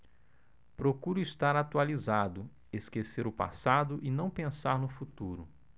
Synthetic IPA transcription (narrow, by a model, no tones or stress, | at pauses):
pɾokuɾʊist̪aɾat̪ualizad̪ʊ | eskeseɾʊpa̰sad̪ʊʔɪnɐ̃w̃pẽsaɾnʊfut̪uɾʊ